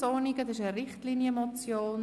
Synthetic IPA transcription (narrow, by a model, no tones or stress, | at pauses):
ɔniɡədɑsɪʃəɾɪχtliːnjəmɔt͡sjoːn